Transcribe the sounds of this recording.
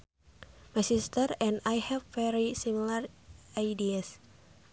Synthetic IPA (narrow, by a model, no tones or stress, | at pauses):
majsist̪əɾɛ̃najhɛvːɛɾisimilarajdias